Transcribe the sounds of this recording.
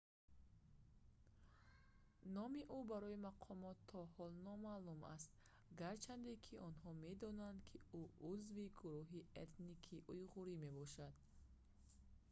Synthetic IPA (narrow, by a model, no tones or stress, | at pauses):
nɔmiʔubaɾɔimaqʰɔmɔt̪ʰːɔhɔlnɔmaluma̰st̪ | ɡaɾt͡ʃʰand̪ekʰiʔɔnɦɔme̞d̪ɔnand̪kʰiuʔuzviɡuɾuɦiet̪nikʰiʔujʁuɾime̞bɔʃad̪̥